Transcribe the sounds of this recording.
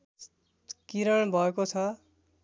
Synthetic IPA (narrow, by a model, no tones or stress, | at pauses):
kiɾʌɳ̃bʱʌekot͡sʰʌ